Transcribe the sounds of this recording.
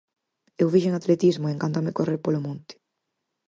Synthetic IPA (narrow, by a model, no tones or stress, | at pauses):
ewβiʃeŋat̪let̪izmoeŋkant̪amekoreɾpolomõnt̪ɪ̥